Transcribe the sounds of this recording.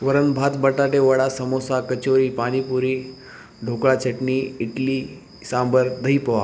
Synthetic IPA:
ʋəɾənbʱat̪bəʈaʈeʋəɽasəmosakət͡ɕoɾiːpaɽ̃ipuɾi | ɖʱokɭat͡ɕəʈniiʈli | sãmbəɾd̪əɦipəʋa̰

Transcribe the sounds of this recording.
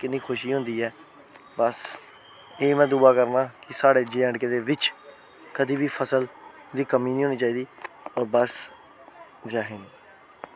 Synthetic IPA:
kɪnːiːkʰʊʃiːɦʊ̃ːnd̪iːɛː | bəs | eːmɛ̃ːd̪uːaːkəɾnãːkɪsaːɽeːd͡ʒeːə̃ɳɖkeːd̪eːʋɪt͡ʃ | kəd̪iːbiːpʰəsəl | d̪iːkəmiːnĩːɦoːniːt͡ʃaːiːd̪iː | ɔːɾbəs | d͡ʒaːɦeni

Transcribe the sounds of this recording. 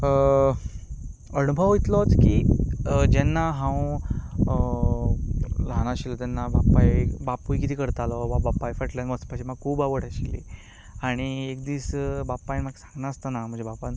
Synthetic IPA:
ə | ənubʱəʋɦojt̪lɔt͡skiːd͡ʑɛnːaɦãw | lañaɕilɔt̪ɛnːabapajbapujkit̪ʰiːkəɾt̪alɔbabapːajfəʈlanʋəspaɕimaɡ̚kʰuːbaʋəɽaɕilːi | aɽ̃iek̚d̪iːsbapːajnmaksãŋɡnaəst̪anam̤ə̃ɳd͡ʑebapan

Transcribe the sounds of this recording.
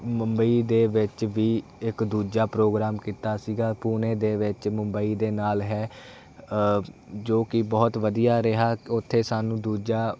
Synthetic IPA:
məmbəiːd̪eːʋɪt͡ʃʋiːɪkd̪uːd͡ʒaːpɾoːɡɾaːmkiːt̪aːsiːɡaːpuːnẽːd̪eːʋɪt͡ʃməmbəiːd̪eːnaːlɦɛː | d͡ʒoːkɪbɔːt̪ʋəd̪ijaːɾɪɦaːʊt̪ʰːeːsaːnũːd̪uːd͡ʒaː

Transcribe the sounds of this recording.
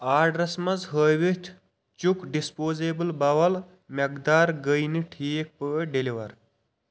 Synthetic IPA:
aːɖɾɐsmɐzɦəːjʋit̪ʲʰ | t͡ʃukɖispoːzeːbɨlbɐwɐl | mɐɡd̪aːɾɡəjniʈʰiːk̚pəɖiliʋɐɾ

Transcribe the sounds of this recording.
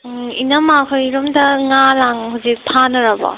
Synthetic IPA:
inamakʰɔjɾɔmdɐŋalaŋɦuzik̚pʰanɯɾaba̰

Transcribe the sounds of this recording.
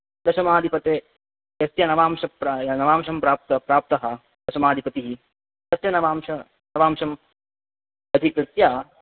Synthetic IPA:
d̪ɐʃɐmaːd̪ʱipɐt̪eː | jɐsjɐnɐʋaːmʃɐpɾnɐʋaːmʃɐmpɾaːp̚t̪ɐpɾaːp̚t̪ɐɦɐ̆ | d̪ɐʃɐmaːd̪ʱipɐt̪iɦi | t̪ɐt̪jɐnɐʋaːmʃɐ | nɐʋaːmʃɐm | ɐd̪ʱikɾɨt̪jaː

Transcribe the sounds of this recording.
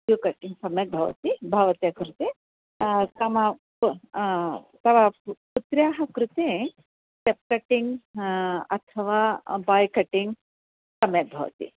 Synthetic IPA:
jukɐʈiŋɡsɐmjɐk̪̚bʱɐʋɐ̰t̪ibʱɐʋɐt̪jɐkɾut̪e | t̪ɐmɐ | t̪ɐʋɐput̪ɾjaːɦɐkɾut̪eː | t͡ʃep̚kɐʈːiŋɡ | ɐt̪ʰɐʋaːbaːjkɐʈiŋɡ | sɐmjɐk̪̚bʱɐ̰ʋɐ̰t̪ḭ

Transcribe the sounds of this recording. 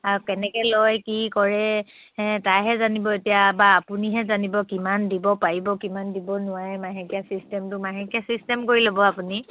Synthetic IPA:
akɛnɛkɛlojkikɔɹɛ | ɛ̃tajɦɛzanibɔetijabaːpuniɦɛzanibɔkimandibɔpaɹibɔkimandibɔnʊwaɹɛmaɦɛkijasistɛmtʊmaɦɛkijasistɛmkoɹilobɔapuni

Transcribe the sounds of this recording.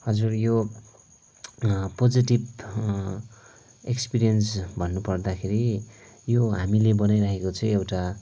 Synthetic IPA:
hʌd͡zurjo | pod͡ziʈib | ekspiɾijʌnsbʱʌnːupʌrd̪akʰeɾijoɦamilebʌnajɾaɦekot͡sʰʌj̃ewʈa

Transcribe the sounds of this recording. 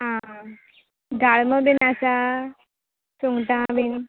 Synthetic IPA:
ɦã | ɡaɭməbinasa | soŋɡʈãbin

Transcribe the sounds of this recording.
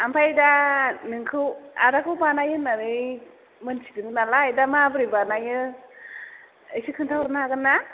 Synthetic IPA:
ampʰajdanɯŋkʰɯwadakʰɯwbanajɯnaɾɯj | mɯnsidɯŋɯnalajdamabɯɾibanajɯ | ɯjsɯkʰɯntʰawɾɯnaaɡɯnːa

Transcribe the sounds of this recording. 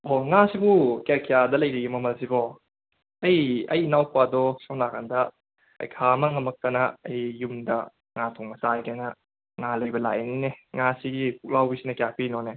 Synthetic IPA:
oŋasibukakijadɐlɐjɾiɡimɐmɐlsibɔː | jɐjinawkʰwadɔsawnaɡandɐ | ɐ̰jkʰamɐŋɐmɐk̚tɐnɐːjːumdɐ | ŋatʰoŋmɐsajɡenɐ | ŋalɐjbɐla̰ʔenineŋasiɡikʰuk̚lawbisinɐkijapʰinone

